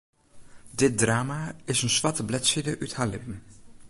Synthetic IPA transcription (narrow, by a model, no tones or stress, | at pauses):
dɪt̚draːmaɪsənsʋɑtəblɛtsidəʔythaːlɪpən